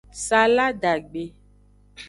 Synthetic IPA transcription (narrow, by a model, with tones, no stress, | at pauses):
sa˨la˦ɖa˨ɡ͡be˨